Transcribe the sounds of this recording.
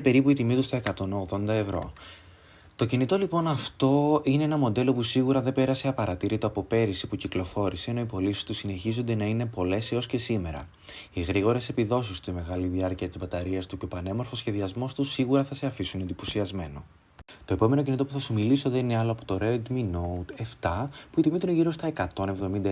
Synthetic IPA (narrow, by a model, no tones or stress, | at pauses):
pe̞ɾipuit̪imit̪ust̪o̞e̞kɐt̪o̞no̞ɣðo̞nd̪ɐe̞vɾo̞̰ | t̪o̞cinit̪o̞lipo̞nɐft̪o̞ine̞enɐmo̞d̪e̞lo̞pusiɣuɾɐðe̞be̞ɾɐse̞ɐpɐɾɐt̪iɾit̪o̞ɐpo̞pe̞ɾisipuciklo̞fo̞ɾisienoipo̞lisi̥st̪usine̞çizond̪enɐine̞po̞le̞seo̞sce̞sime̞ɾɐ̰ | iɣɾiɣo̞ɾe̞se̞piðo̞sist̪ime̞ɣɐliðiɐɾciɐt̪izbɐt̪ɐɾiɐst̪uceo̞pɐne̞mo̞ɾfo̞sçe̞ðiɐzmo̞st̪usiɣuɾɐθɐse̞ɐfisunend̪ipo̞siɐzme̞no̞̰ | t̪o̞e̞po̞me̞no̞cinit̪o̞puθɐsumiliso̞ðe̞nine̞ɐloɐpo̞t̪o̞ɾed̪minot̪e̞ft̪ɐpuit̪imit̪uneʝiɾo̞st̪ɐe̞kɐt̪o̞ne̞vðo̞mind̪ɐ